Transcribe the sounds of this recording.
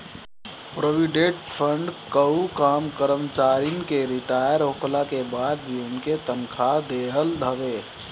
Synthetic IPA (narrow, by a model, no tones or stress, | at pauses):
pɾoʋɪɖeʈpʰə̃ɳɖkəukaːmkəɾəmt͡ʃaːɾinkeɾɪʈaːjəɾoːkʰlakebaːd̪̚bʱiʊnket̪ənkʰad̪eːɦəld̪ʱəʋeː